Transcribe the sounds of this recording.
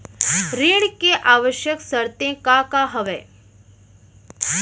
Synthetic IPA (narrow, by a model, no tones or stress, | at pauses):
ɾeɽkeʔaːʋəʃjəksəɾt̪ẽkakaɦəʋḛː